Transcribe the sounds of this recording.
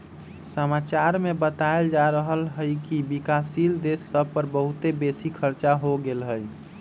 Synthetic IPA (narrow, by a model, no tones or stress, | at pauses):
səmat͡ʃaɾmebət̪aeld͡ʒaɾəɦəlɦəjkibikasild̪esːəb̚ʱpəɾbəɦut̪ebesikʰəɾt͡ʃaɦoɡelɦəj